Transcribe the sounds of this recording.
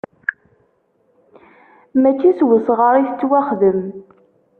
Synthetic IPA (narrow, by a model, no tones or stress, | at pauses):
mæt͡ʃːiswəsʁəɾˤiθt͡sːwæχðəm